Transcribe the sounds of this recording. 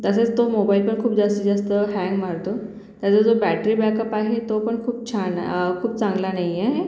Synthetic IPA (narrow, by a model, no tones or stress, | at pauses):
t̪əset͡st̪omobailpəɳkʰuːp̚d͡zast̪id͡zast̪əɦɛ̃ŋɡmaɾt̪o | t̪jat͡sad͡zobæʈɾiːbɛkəpaɦet̪opəɳkʰuːp̚t͡ɕʰankʰuːp̚t͡sãŋɡlanaɦjeɦe